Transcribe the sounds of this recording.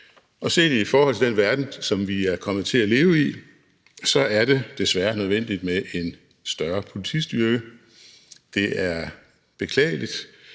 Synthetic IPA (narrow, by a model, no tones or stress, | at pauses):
ʔɒ̽se̝̰ːd̥ifɒːhɒ̽l̰t͡sʰe̝d̥enʋæɐd̥n̩sɒ̽mʋiæɐkʰɒ̽mð̞̩ˠt͡sʰe̝læle̝ːʊi | sɒ̽æɐɾ̥e̝d̥e̝sʋæɐnøð̞ˠʋen̰d̥id̥meʔe̝n | sd̥ɶɐpʰo̝lit͡sʰḭsd̥yɐɡ̥ə | d̥e̝ʔæɐ | b̥e̝kʰlɛ̰ːɪlid̥